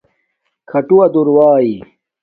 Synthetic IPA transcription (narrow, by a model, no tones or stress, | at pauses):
kʰɐʈuwɐd̪uɾwaːi